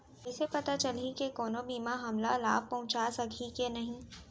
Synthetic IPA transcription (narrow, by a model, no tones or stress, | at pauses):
ɪsepɐt̪at͡ʃɐlikekoːnobiːmaɦɐmlala̰ːb̚pɐɦʊ̃t͡ʃasɐkʰikenɐɦĩː